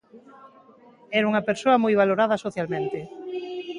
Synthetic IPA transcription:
ɛɾuŋɐpeɾsoɐmojβaloɾað̞ɐsoθjalmẽnt̪e

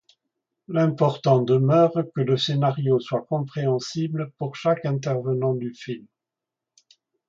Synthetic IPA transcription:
lɛ̃pɔʁt̪ɑ̃d̪əmœːʁkələsenaʁjoswakɔ̃pχeɑ̃sibləpuʁʃakɛ̃t̪ɛʁvənɑ̃d̪yfilm

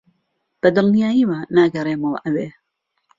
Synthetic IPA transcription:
b̥ɐd̪ɨlnijaːjiːwanaːɡɐrˤeːmowʔɐweː

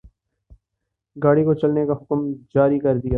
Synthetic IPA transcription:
ɡaːɽikot͡ʃɐlnekaɦʊkmd͡ʒaːɾikɐɾd̪ijaː

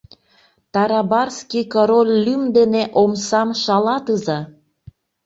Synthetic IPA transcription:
t̪ɑɾɑbɑrskikoɾolʲːymd̪eneʔomsɑmʃɑlɑt̪ɯzɑ

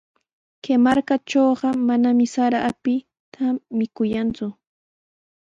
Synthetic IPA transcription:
kemaɾkat͡ʃoːɢɑmanamɪsaɾaʔːpɪ | t̪ʰamɪkʊjant͡sʊ

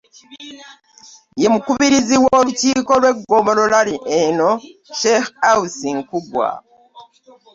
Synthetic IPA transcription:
je̞mukuβiɾiziwoluciːko̞lwe̞ɡːoβo̞lo̞laliʔenoʃexausiŋkuɡwa̰

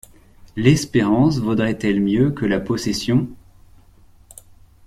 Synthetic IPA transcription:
lɛspeʁɑ̃svod̪ʁɛt̪ɛlmjøkəlapɔsesjɔ̃

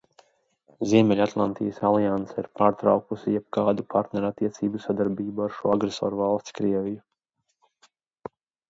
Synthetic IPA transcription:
ziɛmʲɛlʲat̪lˠa̰nt̪ijəsalˠijant̪sɛiɾpaːɾt̪ɾa̰wkusijɛb̥̚kaːd̪upʰaɾt̪nɛɾat̪iɛt̪siːbusad̪aɾbiːbuaɾʃuɔaɡɾesɔ̰ːɾuvalˠst̪skɾiɛviju

